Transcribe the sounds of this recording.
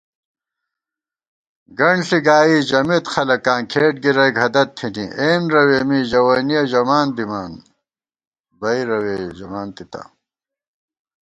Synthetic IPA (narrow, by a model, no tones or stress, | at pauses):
ɡɐɳɖɬiɡaːiːʑɐmit̪xɐlɐkːaːŋkʰeːʈ̚ɡiɾɐjɡʱɐd̪ɐt̪ʰːinḭʔeːnɾɐweːmiʑɐwɐnijɐʑɐmaːnd̪imaːn | bɐiɾɐweːd͡ʑɐmaːnt̪it̪a̰